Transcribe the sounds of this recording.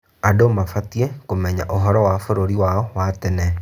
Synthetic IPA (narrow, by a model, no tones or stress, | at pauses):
adomafatiekomɛɲa̰ʔoɦɔɾɔwafoɾoɾiwaɔwatɛnɛ